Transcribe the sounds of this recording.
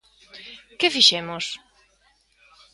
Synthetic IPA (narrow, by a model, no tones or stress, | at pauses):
kefiʃɛmos